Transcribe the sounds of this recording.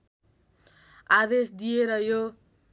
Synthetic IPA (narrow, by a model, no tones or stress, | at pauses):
ad̪esd̪ijeɾʌjo